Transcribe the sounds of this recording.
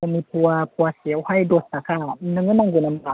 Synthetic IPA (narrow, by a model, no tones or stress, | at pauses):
amiːpʰuɐpʰuɐsiwhajdot̪̚takanɯŋɯmaŋɡunamka